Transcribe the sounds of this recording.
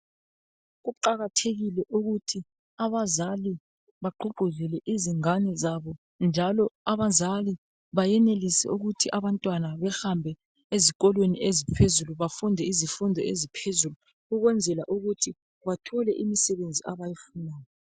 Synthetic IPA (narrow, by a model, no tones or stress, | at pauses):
ɣuǃaɣatʰeɣilɛʔuɣutʰi | aβazali | βaǃuɡ͡ǃʱuɮɛlɛʔiziŋanɛzaβɔ | nd͡ʒʱalɔaβazali | βajɛnelisɛ̰uɣutʰiʔaβantʼwanaβɛxambʱɛ | ezik̬ʼɔlweniʔezipʰezuluβafundʱɛizifundʱɛezipʰezulu | uɣwɛnd͡zʱɛlaʔuɣutʰi | βatʰɔlɛʔimisɛβend͡zʱiaβajifunaːjɔ